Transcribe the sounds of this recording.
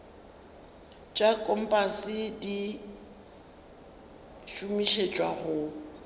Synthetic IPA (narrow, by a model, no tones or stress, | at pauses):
t͡ʃʼakʼɔm̩pʼasɪdi | ʃumiʃet͡ʃʼwaɣʊ